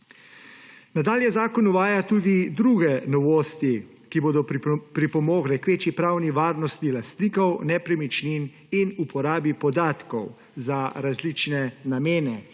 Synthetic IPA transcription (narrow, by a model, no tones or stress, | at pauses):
nad̪aːljɛzaːkɔnuʋaːjat̪uːd̪id̪ɾuɡɛnɔʋoːst̪i | kiboːd̪ɔpɾipɔmoːɡɾɛkʋeːt͡ʃipɾaːwniʋaːɾnɔst̪nilast̪niːkɔwnɛpɾɛmit͡ʃnin | inupɔɾaːbipɔd̪aːt̪kɔ̰w | zaɾazlit͡ʃnɛnameːnɛ